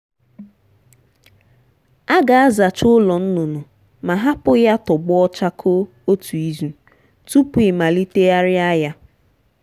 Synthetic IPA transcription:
a˦ɡa˨a˦za˨t͡ʃʊ˦lɔ˨n̩˦nʊ˨nʊ˨ | ma˨ɦa˦pʊ˦ja˦tɔ˨ɡ͡bʊ˦ɔ˦t͡ʃa˦kʰo˦ | o˦tu˨i˦zu˨ | tu˦pu˨ɪ˨ma˨li˦te˦a˦ɾɪ˦a˦ja˦

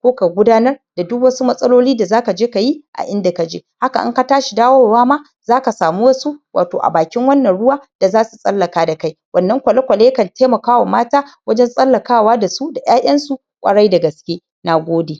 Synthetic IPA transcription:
kʷoː˦ka˨ɡʷʊ˦daː˦nɐ˦rd̥a˨dʊ˦kwɐ˦su˦mɐ˦sʼɐ˦loː˦liː˦da˨zaː˦ka˨d͡ʒeː˦ka˨ji˦ʔa̰˨ʔɪ˦nda˨ka˨d͡ʒḛ˦ha˦ka˨ʔɪ̰˦ŋka˦taː˦ʃi˨daː˦wɔ˦waː˦ma˦ | zaː˦ka˨saː˨mu˦wɐ˦su˦wʔa̰ː˨toː˨ʔa̰˨baː˨kʲɪ˦ŋwɐ˦nːɐ˨nɽʊ˦waː˦d̥a˨zaː˦su˨sʼɐ̰˦lːɐ˨kaː˦da˨ka˦jwɐ˦nːɐ˦ŋkʷɐ˨lɐ˦kʷɐ˨le˦jkɐ˨tʰeː˦mɐ˨kaː˦wa˨maː˦taː˦wɐ˦d͡ʒɛ˦nsʼɐ˦lːɐ˨kaː˦waː˦da˨su˦da˨j̰aː˦ʔʲɐ˦nsu˨ | kʷʼɐ̰˨ɽɐ˦jda˨ɡɐ˨skʲeː˦ | na˨ɡʷoː˦de˨

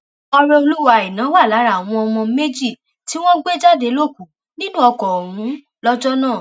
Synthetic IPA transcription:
ɔ˧ɾɔ˧o˧lu˦wa˧˨i˨nã˨˦wa˦˨la˨˦ɾa˦˨w̃ɔ̃˧ɔ˧mɔ̃˧me˦d͡ʒi˦˨ | ti˨˦w̃ɔ̃˦ɡ͡be˦d͡ʒa˦˨de˨˧˦lo˦˨ku˨ | nĩ˦nũ˦ɔ˧kɔ˨wũ˨˦ | lɔ˦d͡ʒɔ˦nãː˦˨

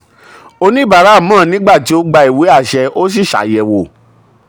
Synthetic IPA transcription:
o˧nĩ˦ba˨ɾa˨˦˨mãː˦˨nĩ˦ɡ͡ba˦˨ti˨˦o˦ɡ͡ba˧i˨we˨˦a˦˨ʃɛ˧ʔo˦s̬i˦˨ʃa̰˨˦jɛ˨wo˨

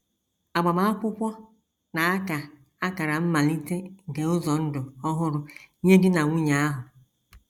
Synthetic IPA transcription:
a˨ɡ͡ba˨ma˦a˦kʷʊ˦kʷɔ˦ | na˨a˦ka˨ | a˦ka˨ɾa˨m̩˦ma˨li˦te˦˨ɡe˨ʊ˦zɔ˨n̩˦dʊ˨ɔ˦ɦʊ˦ɾʊ˨˦ɲe˦dɪ˦na˨ŋʷu˦ɲa˨a˦ɦʊ˨

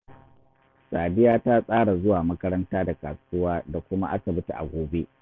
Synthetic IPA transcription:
sʼaː˨dɪ˦jaː˦ta˦sʼaː˦ɽa˨zʊ˦waː˨mɐ˦kɐ˦ɾɐ˦ntaː˦da˨ka˨sʊ˦waː˦da˨kʷʊ˦ma˦ʔa˦sɐ˨bʊ˦ta˨ʔa̰˨ɡʷoː˨be˦ʔ

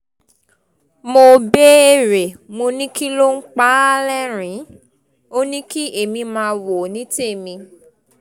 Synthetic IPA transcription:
mo˧be˦e˧ɾe˨mo˧nĩ˦ki˦lo˦ŋ̩˦k͡pa˦lɛ˦ɾ̃ĩ˨˦ | o˦nĩ˦ki˦e˨mĩ˧mãː˧˦˧wo˨nĩ˨˦te˦˨mĩ˧

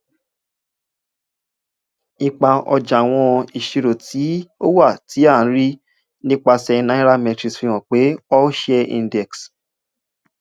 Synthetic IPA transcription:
i˧k͡pa˧ɔ̰˧d͡ʒa˨w̃ɔ̃˧i˨ʃi˧ɾo˨ti˨˦o˦wa˦˨ti˨˦ã˦˨˦ɾi˦ | nĩ˦k͡pa˧sɛ˧nã˦ĩ˦ɾa˦mɛ̃˧tɾi˨sfĩ˧w̃ɔ̃˨k͡pe˨˦ɔ˦ʃɛ˧ḭ̃˧ndɛ˨ks

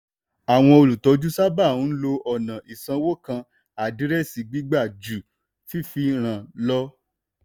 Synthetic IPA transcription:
a˨w̃ɔ̃˧o˧lu˨tɔ˨˧˦d͡ʒu˦sa˦ba˦˨ũ˨˦lo˧ɔ˦˨nã˨i˨sã˧wo˦kã˧ | a˨di˨˦ɾɛ˦˨si˨˧ɡ͡bi˦ɡ͡ba˦˨d͡ʒu˨ | fi˦fi˧ɾ̃ã˨lɔ˦

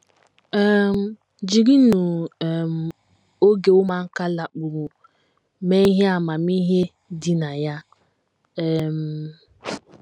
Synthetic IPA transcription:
ɛ˦m̩˨˦ | d͡ʒi˨ɡi˦nu˨m̩˨ | o˦ɡe˨ʊ˦ma˨ŋ̩˦ka˦la˨k͡pu˨ɾu˨ | me˦i˦ɦe˦a˨ma˨mi˦ɦe˦ | dɪ˨na˨ja˦ | ɛ˨m̩˨

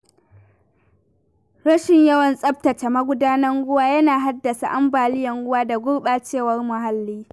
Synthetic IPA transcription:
ɾɐ˦ʃɪ˨ɲjɐ˦wɐ˨nsʼɐ˦b̚tɐ˨t͡ʃa˨mɐ˦ɡʷʊ˦daː˦nɐ˦ŋɡʷʊ˦waː˦jɐ˦naː˨ɦa˦dːɐ˨sa̰˨ʔa˦mbaː˨lɪ˦jɐ˨ŋɡʷʊ˦waː˦da˨ɡʷʊ˦ɽɓaː˦t͡ʃeː˦˨wɐ˦rmʊ˨ɦa˦lːiː˦

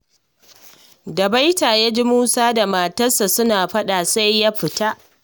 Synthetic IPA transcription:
dɐ˨ba˦jtaː˨jaː˦d͡ʒi˦muː˦saː˦da˨maː˨tɐ˦sa˨sʊ˦naː˨ɸɐ˦ɗa˨sa˦jːa˦ɸɪ˨ta˦ʔ

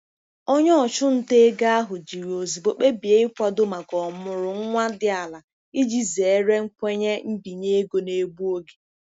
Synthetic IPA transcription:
o˦ɲɔ˦ɔ˨t͡ʃʊ˦n̩˦te˦ɡa˦a˦ɦʊ˨d͡ʒi˨ɾo˨zi˨bo˨k͡pe˦bi˨e˦ɪ˦kʷa˦dʊ˦ma˨ɡɔ˨mʊ˨ɾʊ˨ŋ̩˦ŋʷa˦dɪ˦a˨la˨ | i˦d͡ʒi˦ze˨˦ɾe˦ŋ̩˦kʷe˦ɲe˦m̩˦bi˨ɲe˦ɡo˨ne˦ɡ͡bu˦o˦ɡe̥˨

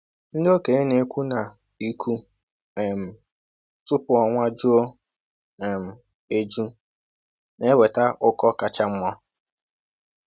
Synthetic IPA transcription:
n̩˦do˦ke˨˦ne˨˦kʷu˦na˨ | i˦kʰu˦ | ɛ˨m̩˨ | tʊ˦pʊ˦˨ɔ˨ŋʷa˦d͡ʒu˦o˦ | ɛ˨m̩˨ | e˦d͡ʒu˦ | ne˦we˨ta˦ʔʊ˦kɔ˦ka˨t͡ʃa˦m̩˦mɔ˦

